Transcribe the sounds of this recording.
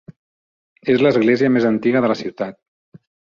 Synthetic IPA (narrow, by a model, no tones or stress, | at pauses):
ezləzɣleziəmezənt̪iɣəðələsiwt̪at̪̚